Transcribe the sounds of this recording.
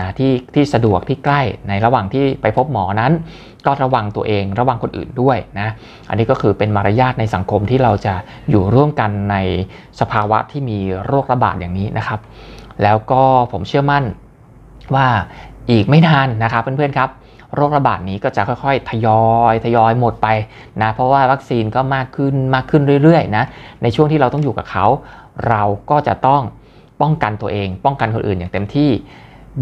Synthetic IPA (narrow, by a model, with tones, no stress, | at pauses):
na˦˥t̪ʰiː˥˩t̪ʰiː˥˩sa˧du˨˩ək̚t̪ʰiː˥˩kla˥˩jna˧jɾa˧waː˨˩ŋt̪ʰiː˥˩pa˧jpʰo˦˥p̚mɔː˩˦na˦˥n | kɔː˥˩ɾa˦˧wa˧ŋt̪u˧ɐʔeː˧ŋɾa˧wa˧ŋkʰo˧nʔɯ̰ː˨˩ndu˥˩əjna˦˥ | ʔa̰˧nːiː˦˥kɔː˥˩kʰɯː˧pe˧nmaː˧ɾa˧˥jaː˥˩t̪̚na˧jsa˩˦ŋkʰo˧mt̪ʰiː˥˩ɾa˧wt͡ɕa˨˩ | juː˨˩ɾu˥˩əmka˧nːa˧j | sa˧pʰaː˧wa̰˦˥t̪ʰiː˥˩miː˧ɾoː˥˩k̚ɾa˧ba̰ː˨˩t̪̚jaː˨˩ŋniː˦˥nʔa˦˥kʰa˦˥p̚lɛː˦˥wkɔː˥˩pʰo˩˦mt͡ɕʰɯ˥˩əma˥˩n | waː˥˩ʔiː˨˩k̚ma˥˩jnaː˧nːa˦˥kʰa˦˥pːe˧npʰɯ˥˩ənkʰa˦˥p̚ | ɾoː˥˩k̚ɾa˧baː˨˩t̪̚niː˦˥kɔː˥˩t͡ɕa˨˩kʰɔ˥˩jkʰɔ˥˩jt̪ʰa˧jɔː˧jt̪ʰa˧jɔː˧jmo˨˩t̪̚pa˧j | na˦˥pʰɾɔ˦˥waː˥˩wa˦˥k̚siː˧nkɔː˥˩maː˥˩kʰːɯ˥˩nmaː˥˩kʰːɯ˥˩nɾɯ˥˩əjɾɯ˥˩əjna˦˥na˧jt͡ɕʰu˥˩əŋʰiː˥˩ɾa˧wt̪ɔ˥˩juː˨˩ka̰ː˨˩kʰa˦˥wɾa˧wkɔː˥˩t͡ɕa̰˨˩ʔt̪ɔ˥˩ŋ | pɔ˥˩ŋka˧nt̪u˧ɐʔeː˧ŋpɔ˥˩ŋka˧nkʰo˧nʔɯː˨˩njaː˨˩ŋt̪e˧mt̪ʰiː˥˩